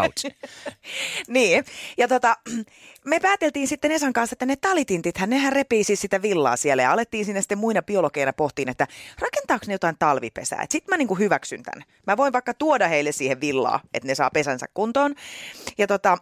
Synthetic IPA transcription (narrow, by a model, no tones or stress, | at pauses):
niːjɑt̪ot̪ɑ | mepæːt̪elt̪iːnsit̪ːenesɑŋkɑnset̪ːænet̪ɑlit̪int̪it̪hænnehærrepiːsissit̪æʋilːɑ̰ːsielːæjɑɑlet̪ːiːnsinːæsi̥t̪ːemuinɑpiolokeinɑpoht̪iːnet̪ːærɑkent̪ɑːksnejot̪ɑint̪ɑlʋipḛsæ̰ːḛt̪sit̪mæniːŋkuhyʋæksy̰nt̪æ̰n | mæʋoiʋʋɑikːɑt̪uodɑheilːessiːheʋʋilːɑ̰ːʔet̪nesɑ̰ːpesænsæ̰kkunt̪oːnjɑt̪ot̪ɑ